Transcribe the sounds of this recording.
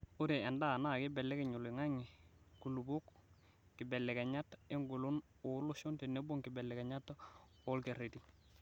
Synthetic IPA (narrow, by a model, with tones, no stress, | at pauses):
u˦ɾe˨ɛ˨nda˦˨na˦˨kɪ˦bɛ˨lɛ˦kɪ˨ɲu˨lɪ˨ŋa˦ŋi˨ku˨lu˨bu˦k | kɪ˨bɛ˨lɛ˨kɛ˨ɲa˦te˦ŋɡu˨lu˦n | ʊ˨˦lʊ˦ʃo˦nte˨ne˦bo˦ŋkɪ˨bɛ˨lːɛ˨kɛ˨ɲa˦t | ʊ˦lke˨ɾe˨ti˦